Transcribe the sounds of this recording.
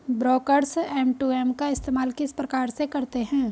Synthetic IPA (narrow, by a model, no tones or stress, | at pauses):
bɾoːkəɾsɛːmʈuːɛːmkaɪst̪eːmaːlkɪspɾɐkaːɾsekɐɾt̪eɦɛ̃ː